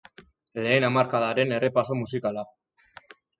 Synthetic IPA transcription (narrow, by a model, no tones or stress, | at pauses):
le̞ːnamaɾkaðaɾe̞ne̞re̞pasomusikala